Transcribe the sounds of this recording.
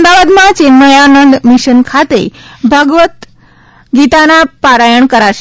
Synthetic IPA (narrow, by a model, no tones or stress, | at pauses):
md̪aʋad̪mãt͡ɕenməjanənd̪miʃənkʰat̪ḛbʱəɡʋət̪ | ɡit̪anapaɾajəɳkəɾaʃ